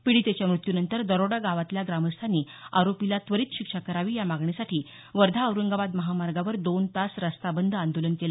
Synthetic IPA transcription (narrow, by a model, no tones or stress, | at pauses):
piɽiːt̪et͡ɕjamɾut̪junənt̪əɾd̪əɾoɽaɡaʋat̪ljaɡɾaməst̪ʰaniːaɾopilat̪ʋəɾiːt̪ɕikʂakəɾaʋiːjamaɡɳesaʈʰiː | ʋəɾd̪ʱaəwɾəŋɡabad̪məɦamaɾɡaʋəɾd̪ont̪asɾəst̪abənd̪ʱand̪olənkela